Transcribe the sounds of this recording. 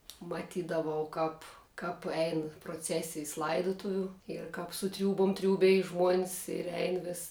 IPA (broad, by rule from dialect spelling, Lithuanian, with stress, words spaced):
mɐˈtʲiːdɐʋɐʊ ˈkɐp kɐp ˈɛɪn proːˈt͡sʲæːsʲɪjs ˈlˠɐɪdʊtʊʋʲʊ ɪr kɐp sʊ ˈtʲrʲuːbʊm ˈtʲrʲuːbʲɛj ʒmuɔnʲs ɪr ˈɛɪn ʋʲɪs